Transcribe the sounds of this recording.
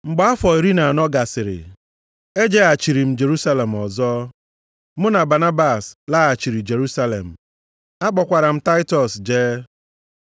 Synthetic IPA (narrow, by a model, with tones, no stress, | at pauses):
ŋ͡m̩˨ɡ͡ba˨˦a˦fɔ˨i˨ɾi˦na˨nɔ˦ɡa˨sɪ˨ɾɪ̰˨ | e˦d͡ʒe˦a˨t͡ʃi˨ɾi˨m̩˦d͡ʒe˨ɾu˦sa˦le˨m̩˨ɔ˨zɔː˦ | mʊ˦na˨ba˨na˦ba˨sla˦a˨t͡ʃi˨ɾi˨d͡ʒe˨ɾu˦sa˦lḛ˨m̩˨ | a˦k͡pɔ˨kʷa˨ɾa˨m̩˦ta˦ɪ˦tɔ˨sd͡ʒeː˦